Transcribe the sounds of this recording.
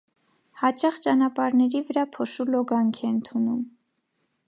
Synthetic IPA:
hɑt͡ʃɑχt͡ʃɑnɑpɑɾnɛɾivəɾɑpʰɔʃulɔɡɑŋkʰɛənt̪ʰunum

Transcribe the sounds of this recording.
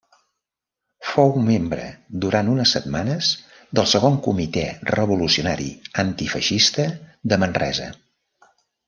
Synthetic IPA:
fowmembɾə̰d̪uɾant̪unəsːət̪manəz | ðəlˠsəɣoŋkumit̪ɛrəβulusiunaɾḭənt̪ifəʃist̪əðəmənrɛ̰zə̰

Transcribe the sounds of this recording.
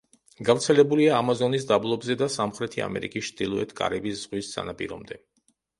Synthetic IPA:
ɡavɾt̪sʰɛlɛbuliaːmazɔnis̬d̪ablˠɔbzɛd̪asamχɾɛt̪ʰia̰mɛ̰ɾḭkʼist͡ʃʰd̪ilˠɔɛt̪ʰkʼa̰ɾɛbisz̥ʁwissa̰napʼḭɾɔ̰md̪ɛ

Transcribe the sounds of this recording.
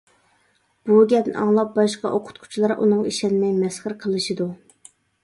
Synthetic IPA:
b̥uɡʲɛd̪nʔɑ̰ŋlˠɑp̚bɑʃqɑ̰ʔoqʰʊ̥t̪̚kʰʊ̥t͡ʃʰilˠɑɾʔṵnɨŋḭʃɛnmɛjmɛsχəɾqʰəlˠɨʃɨd̪u

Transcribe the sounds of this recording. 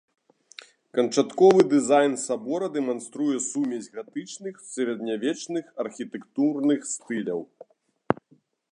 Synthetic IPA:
kɐnt͡ʂat̪kɔvɨd̪ɨzajnsabɔɾɐd̪ɛmanst̪ɾujɛsumʲɛzʲɣat̪ɨt͡ʂnɨxsʲɐɾʲɛd̪nʲavʲɛt͡ʂnɨxɐrxʲit̪ɛkt̪urnɨxst̪ɨlʲɐw

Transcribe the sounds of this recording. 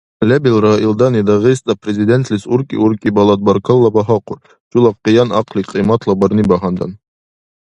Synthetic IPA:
lʲæbilˠɾɑilˠd̪ɑnid̪ɑʁisd̪ɑprʲɪzʲɪd̪ʲent̪lʲisuɾkḭuɾkibɑlˠɑt̪̚bɑɾkɑlˠːɑbɑɦɑquɾ | ʃulˠɑqːɤjɑnɑqlʲiqijmɑt̪lˠɑbɑɾnibɑɦɑnd̪ɑ̰n

